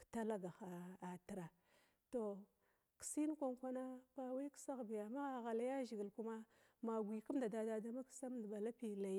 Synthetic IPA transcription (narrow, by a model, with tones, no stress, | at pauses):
kta˦la˦ɡa˨xa˨a˨ti˨ɾa˨ | to˨ | ki̥˨si˦n˦kʷa˦ŋkʷa˦na˦pa˦wa˦ksa˦ɣbi˨ja˨ma˦ɣa˨ɣa˨la˦ja˦ʒi˨ɡi˨lku˦ma˦ | ma˨ɡʷi˨ku˦m˦da˨da˨da˨da˦ma˦ksa˦m˦dba˨la˦pi˨la˨j